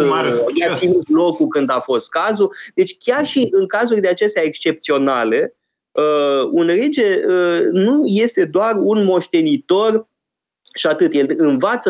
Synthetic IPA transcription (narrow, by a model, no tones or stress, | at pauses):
jeasinut̪lo̞kukɨnd̪afo̞st̪̚kazud̪̥e̞t͡ʃʲkʲarʃiʔɨŋkazurʲd̪eat͡ʃe̞st̪eaekst͡ʃe̞p̚t̪sio̞nale̞ | əunred͡ʒe̞ənuje̞st̪e̞d̪oarunmo̞ʃt̪e̞nit̪o̞r | ʃiat̪ɨt̪je̞lɨnvat̪sə